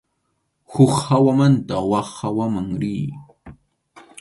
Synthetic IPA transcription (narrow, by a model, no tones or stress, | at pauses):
xʊkhawamant̪awɑχːawamaŋɾɪː